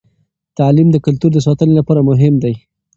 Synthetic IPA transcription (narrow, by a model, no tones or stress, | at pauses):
t̪alimd̪əkʊlt̪uɾd̪əs̬ɑt̪ənelapɑɾamʊɦɪmd̪aj